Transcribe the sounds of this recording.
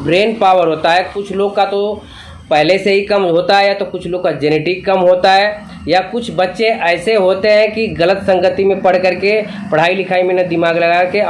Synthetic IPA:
bɾeːnpaːʋəɾɦoːt̪aɦɛkʊt͡ʃʰloːɡ̚kat̪o | pɛɦleseɦikɐmɦoːt̪aɦɛjat̪okʊt͡ʃʰloːɡkad͡ʒɛneːʈɪkːɐmɦoːt̪aɦɛː | jakʊt͡ʃʰbɐtːʃẽʔɛːseɦoːt̪eɦɛ̃kiɣɐlət̪sɐ̃ŋɡət̪imẽpɐɽkɐɾkepɐɽ̤aːilɪkʰaːimẽnɐd̪ɪmaːɡlɐɡaːke

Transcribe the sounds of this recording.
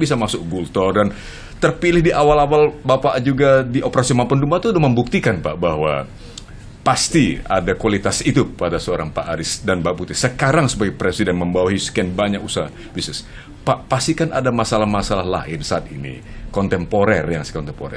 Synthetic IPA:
bisamasʊk̚ɡult̪ɔrdan | t̪ərpilɪhdiʔawalawalbapad͡ʒuɡadiʔopəɾasimampəndumat̪uːdahməmbuk̚t̪ikanpaʔbaɦwa | past̪ia̰dakualit̪asit̪upadasəoɾaŋpaʔaɾɪsdanbaʔput̪ɪsəkaɾaŋsəpaɡɛpɾesidɛnməmbawaɦiskɛnbaɲakusaa | bisnɪs | paʔpast̪ikana̰damasalahmasalahla̰ɪnsaːt̪inḭ | kɔnt̪ɛmpoɾɛrjaŋskɔnt̪ɛmpo̰ɾɛ̰

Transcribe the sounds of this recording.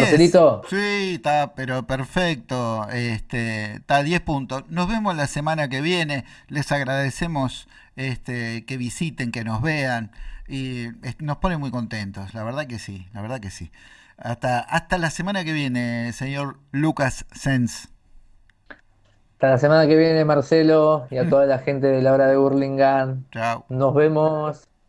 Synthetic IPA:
poeeɾit̪osit̪apeɾo̞peɾfek̚t̪oest̪et̪aðje̞hpunt̪o̞sno̞zβe̞moslasemanak̬eβje̞ne̞ | lesaɣɾaðese̞mo̞s | est̪eke̞βisit̪e̞ŋkeno̞zβeaniet̪nospo̞nenmujko̞nt̪ent̪o̞slaβeɾð̞ak̬e̞silaβeɾð̞akesi | ast̪aʔast̪alasemanake̞βje̞ne̞seɲo̞ɾ | lukasːens | ast̪alasemanakeβjene̞maɾselojat̪oðalaxent̪̬eðelaoɾaðeβuɾliŋɡant͡ʃawːozβemos

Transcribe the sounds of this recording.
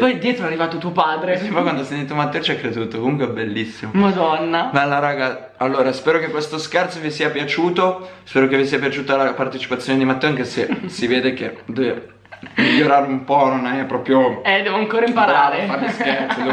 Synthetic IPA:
pɔjd̪jɛːt̪ɾoɛarːivaːt̪ot̪uopaːd̪ɾesipɔjkwand̪asent̪iːt̪omat̪ːɛːot͡ʃɛkːɾed̪uːt̪okomuŋkweɛbːelːisːimomad̪ɔnːamalːaɾaːɡa | alːoːɾaspɛːɾokekːwest̪oskɛrt̪sovisiːapjat͡ʃuːt̪ospɛːɾokevisiːapjat͡ʃuːt̪oalːapart̪et͡ʃi̥pat̪sːjoːned̪imat̪ːɛːoaŋkesesiveːd̪eked̪eve | miʎːoɾaːɾeumpɔnonaɛpːɾɔːpɾjoɛd̪ɛːvoaŋkoːɾaimpaɾaːɾefaɾeskɛɾt̪so

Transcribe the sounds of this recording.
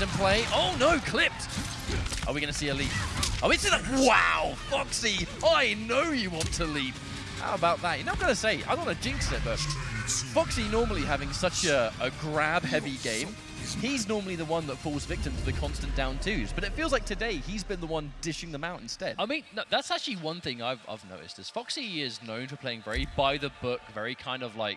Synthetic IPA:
ɨ̃npʰl̥eɪʔoʊnoʊkʰl̥ɪp̚t | ʔə̰˞wiɡʌnɨsiɨlipaɪwĩnsɪlaɪkwaʊfɑksiaɪnoʊjɨwɑ̃ntʰəlip | ha̰ʊəbaʊt̪̚ðət̚jɨnoʊ̃ɡʌnəseɪʔa̰ɪ̃ʌ̃nɨd͡ʒɪ̃ŋksɛt̚b̥ʌt̚fɑksinɔɹml̩ˠiɦævɪ̃ŋsʌt͡ʃɨəɡɹæb̚hɛviɡẽɪ̃m | iznɔɹml̩ˠiðəwʌ̃nðətfɔlˠzvɪk̚tɨ̃mtʰəðɨkʰɑ̃nstɨ̃n̩d̥ãʊ̃ntʰʉzb̥ʌɾɨtfilˠzlaɪk̚tʰɨdeɪizbɨ̃nðəwʌ̃ndɪʃɪ̃ŋðə̃maʊɾ̃n̩stɛd̥aɪmĩnːoʊðætsæk̚t͡ʃʉl̩ˠiwʌ̃nθɪ̃ŋa̰ɪva̰ɪvno̰ʊɾɨ̰stðɪsfɑksiɪznõʊ̃nfəpʰeɪɪ̃ŋvɛɹib̥aɪðɨbʊkvɛɹikʰãɪ̃ndʌvlaɪk̚

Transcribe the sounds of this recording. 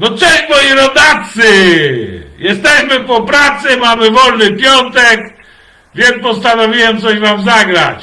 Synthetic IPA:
nɔt͡ʂɛɕmɔjiɾɔd̪at̪sɘ | jɛst̪ɛɕmɘpɔpɾat̪sɛmamɘvɔlnɘpʲjɔnt̪ɛk | vʲjɛnpɔst̪anɔvʲiwɛmt̪sɔɕvamzaɡɾa̰t͡ɕ

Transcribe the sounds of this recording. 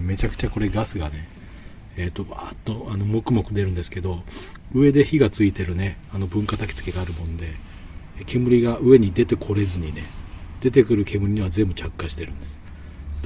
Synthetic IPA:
me̞t͡ɕakɯ̟̥t͡ɕako̞ɾe̞ɡasɨɡane̞ː | t̪ːo̞baːt̪ːo̞ano̞mo̞kɯ̟mo̞kɯ̟d̪e̞ɾɯ̟̃nd̪esɨ̥ke̞d̪o̞ɯ̟e̞d̪e̞çiɡat͡sɨit̪e̞ɾɯ̟ne̞ano̞bɯ̟̃ŋkat̪akʲi̥t͡sɨ̥ke̞ɡaːɾɯ̟mõ̞nd̪e̞ | kʰe̞mɯ̟ɾʲiɡaʔɯ̟e̞ɲ̟id̪e̞t̪e̞kʰo̞ɾe̞zɨɲ̟ine̞d̪̥e̞t̪e̞kɯ̟ɾɯ̟ke̞mɯ̟ɾʲiɲ̟iβazẽ̞mbɯ̟t͡ɕakːaɕi̥t̪e̞ɾɯ̟̃nd̪̥e̞sɨ̥

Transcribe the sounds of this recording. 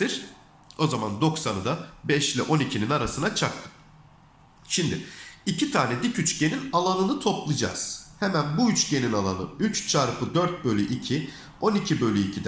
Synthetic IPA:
t̪iɾ̥ | o̞zamand̪o̞ksanɯd̪abɛʃlʲɛʔo̞nicʰininaɾasɯnat͡ʃʰak̚t̪ʰɯ̥ | ʃimd̪ɪicʰit̪ʰaːnɛd̪icyt͡ʃɟe̞ninalˠanɯnɯt̪ʰo̞plˠɯd͡ʒa̰ːz̥hɛmænbuyt͡ʃɟe̞ninalˠa̰nɯ̰yt͡ʃt͡ʃʰaɾpʰɯd̪øɾt̪̚bø̞lʲyʔicʰi | o̞nicʰibø̞lʲyicʰid̪ɛ

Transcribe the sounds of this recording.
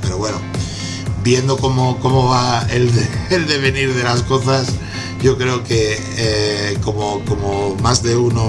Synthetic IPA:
pe̞ɾo̞βwe̞no | bje̞nd̪o̞ko̞moko̞moβaeld̪eːld̪e̞βe̞niɾðe̞lasko̞θas | ʝo̞kɾe̞oke̞ | eko̞moko̞momazðe̞uno

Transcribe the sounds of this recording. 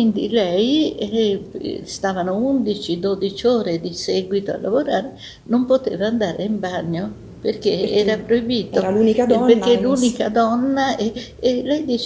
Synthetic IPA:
kwind̪ilɛj | st̪aːvanound̪it͡ʃid̪od̪it͡ʃoːɾed̪isɛːɡwit̪oa̰lːa̰voɾaːɾe | nompot̪ḛːvaːnd̪aːɾeimbaɲːo | perk̟eɛːɾapɾojbiːt̪oɾalunikperkːelːuːnikad̪ɔnːae | elɛjd̪iːt͡ʃ

